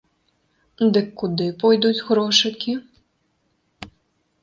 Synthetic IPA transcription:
d̪ɨkːud̪ɨpɔjd̪ud͡zʲɣɾɔʂɨkʲi

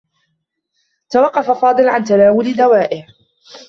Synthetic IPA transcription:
t̪awɑqːɑfafɑːd̪ˤɨlʕant̪alaːwʊld̪awaːʔɪh

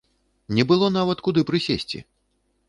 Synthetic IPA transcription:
nʲɛbɨlˠɔnavɐt̪kud̪ɨpɾɨsʲesʲt͡sʲḭ

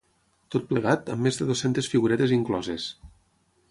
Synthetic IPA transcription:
t̪ot̪̚pleɣat̪əmːezðeðosent̪esfiɣuɾɛt̪eziŋklɔzes

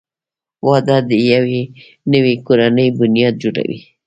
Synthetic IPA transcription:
wɑd̪ad̪əjawe | nəwikoɾanəjbʊnijɑd̪̚d͡ʒoɽa̰wḭ

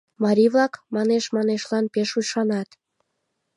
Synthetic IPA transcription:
mɑɾʲiβlɑkmɑneʃmɑneʃlɑnpeʃujʃɑnɑt̪

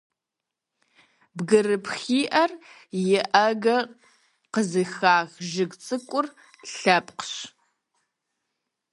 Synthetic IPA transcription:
bɡɨrɨpʰxiːʔɐr | jɪʔɐɡɐ | qəzɨxaːɣʒɪɡt͡sʼɨkʷʼʊr | ɬɐpʼqɕ

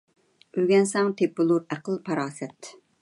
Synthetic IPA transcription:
øɡʲɛnsɛŋt̪ʰepːɨlˠuɾæqəlˠpʰɑɾɑːsɛt̪

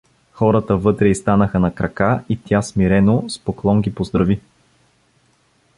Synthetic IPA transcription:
xɔɾət̪əvɤt̪ɾɛist̪anəxənɐkɾɐkait̪ʲjasmiɾɛnospoklˠɔŋɡipozd̪ɾɐvi

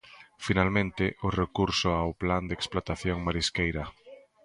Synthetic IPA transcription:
finalmẽnt̪ɪʔorekuɾsʊawpland̪eksplot̪aθjoŋmaɾiskejɾɐ

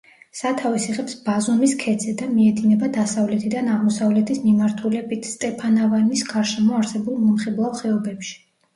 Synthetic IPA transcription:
sat̪ʰavisiʁɛpsbazɔmiskʰɛd̪z̥ʰɛd̪amiɛd̪inɛbad̪asavlɛt̪ʰid̪anaʁmɔsavlɛt̪ʰismimaɾt̪ʰulɛbit̪ʰst̪ʼɛpʰanavanisɡ̥aɾʃɛmɔaɾsɛbulˠmɔmχɛblˠalˠχɛɔbɛpʃi̥

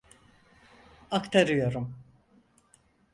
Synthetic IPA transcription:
akt̪ʰaɾɯjo̞ɾum

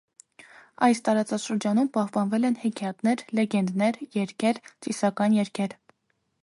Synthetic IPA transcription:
ɑjst̪ɑɾɑt͡sɑʃəɾd͡ʒɑnumpɑhpɑnvɛlɛnhɛkʰiɑt̪nɛɾlɛɡɛnd̪nɛɾjɛɾkʰɛɾt͡sisɑkɑnjɛɾkʰɛɾ

